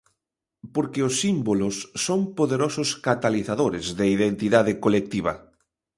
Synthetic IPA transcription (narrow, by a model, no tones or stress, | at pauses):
poɾkɪosːimbolʊsːoŋpoðeɾosʊskat̪aliθaðoɾɪzðeiðent̪iðaðɪkolek̚t̪iβ̞ɐ̰